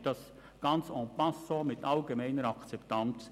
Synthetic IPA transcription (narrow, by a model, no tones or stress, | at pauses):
d̥ɑs | ɡ̥ɑnt͡sɔ̃pɑsomɪtɑlɡemɛɪnəɾɑkt͡sɛptɑnt͡s